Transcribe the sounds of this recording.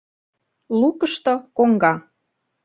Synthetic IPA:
lukəʃt̪okoŋɡɑ

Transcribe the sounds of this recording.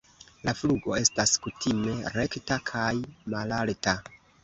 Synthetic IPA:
lafluɡo̞̰e̞staskutʰime̞ɾe̞ktakʰajmalalta

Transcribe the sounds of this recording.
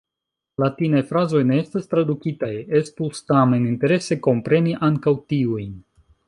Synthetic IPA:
latinajfɾazo̞jne̞estastɾadukitajespustameninte̞ɾe̞se̞ko̞mpɾe̞niʔaŋkawtiujn

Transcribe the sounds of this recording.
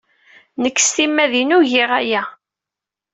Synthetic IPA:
nəkːst̪imːæðinuʝɪʁæjæ

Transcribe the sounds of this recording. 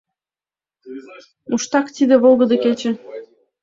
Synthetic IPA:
muʃt̪ɑkt̪id̪eβolˠɣəd̪eket͡ɕe

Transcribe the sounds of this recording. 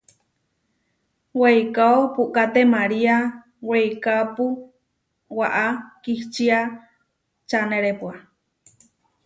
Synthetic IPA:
weikaopuʔkat̪emaɾia | weikapu | waʔakiht͡ʃia | t͡ʃaneɾepua

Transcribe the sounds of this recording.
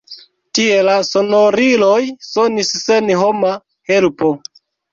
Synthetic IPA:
tie̞laso̞noɾilojsonisse̞nɦoma | he̞lpo

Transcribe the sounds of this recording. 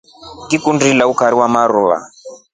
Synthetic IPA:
kikundilaukaɾiwamaɾua̰

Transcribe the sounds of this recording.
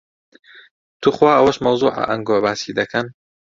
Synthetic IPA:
t̪ʰuːχwaːɐwɐʃmɐwzuːʕa̰ʔɐŋɡoːbaːsid̪ɐkʰɐn

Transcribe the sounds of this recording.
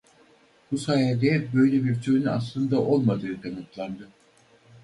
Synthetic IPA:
busajad̪ɛbø̞jlʲebiɾt͡ʃʰøynyaslˠɯnd̪aʔo̞lˠmad̪ɯːd̪ʰamat̪lˠand̪ɯ

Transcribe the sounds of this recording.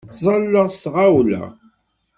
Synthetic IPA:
tːzˤɑlːəʁsʁawlæ̰

